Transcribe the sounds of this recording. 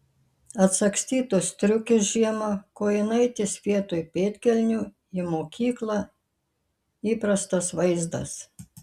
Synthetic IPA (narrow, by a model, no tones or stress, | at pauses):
ɐt̪sɐksʲt̪ʲiːt̪ʊst̪ʲɾʲʊkʲɪsʒʲiɛmokoːjɪnɐɪt̪ʲɪsʲʋʲiɛt̪oːjpʲeːt̪ʲkʲɛlʲnʲuː | ɪmoːkʲiːklˠɐ | iːpɾɐst̪ɐsʋɐɪzd̪ɐ̰s